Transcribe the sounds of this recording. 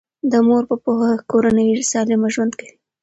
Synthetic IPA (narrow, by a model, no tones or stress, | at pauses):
d̪əmoɾpəpohakoɾanəjisɑlɪmaʒwand̪kawi